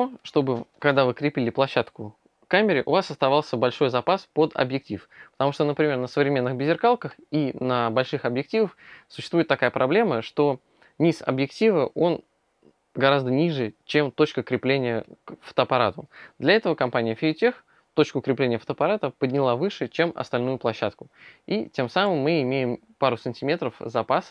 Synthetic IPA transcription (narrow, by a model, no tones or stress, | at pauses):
oʂt̪o̞bɨkɐɡd̪avɨkɾʲɪpʲilʲɪplˠɐɕːat̪kʊ | kamʲɪɾʲɪʔʊvasɐst̪ɐvalˠsʲəbɐlʲʂo̞jzɐpaspod̪ɐ̰bjɪk̚tʲifpə̥t̪ɐmuʂt̪onəpɾʲɪmʲe̞rnəsəvɾʲɪmʲenːɨɣbʲɪzʲɪrkalˠkəxinəbɐlʲʂɨxɐbjɪk̚tʲivəfsʊɕːst̪vujɪt̪t̪ːɐkajəpɾʔɐblʲe̞məʂt̪o̞ | nʲisɐ̰bjɪktʲivəʔo̞n | ɡɐɾazd̪ənʲiʐɨt͡ɕe̞mt̪o̞t͡ɕkəkɾʲɪplʲenʲɪjəkfə̥t̪əɐpɐɾat̪ʊd̪lʲɐɛt̪əvəkɐmpanʲɪjəfʲɪʊtʲex | t̪o̞t͡ɕkʊːkɾʲɪplʲenʲɪjəft̪əːpɐɾat̪əpədʲnʲɪlˠavɨʂɨt͡ɕe̞mɐ̰st̪ɐlʲnujʊplˠɐɕːat̪kʊitʲe̞msamɨmːɨɪmʲejɪm | paɾʊsɨnʲtʲɪmʲe̞t̪ɾəfzɐpas